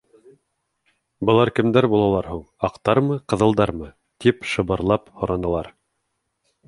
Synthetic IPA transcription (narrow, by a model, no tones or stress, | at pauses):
bɤ̆lˠɑɾkɘ̆md̪æɾbulˠɑlˠɑɾɦuɴ | ɑqt̪ɑɾmɤqɤ̆ðɤ̆lˠd̪ɑɾmɤ | t̪ipʃɤ̆βɤ̆ɾlˠɑphŏɾʔɑnɤ̆lˠɑɾ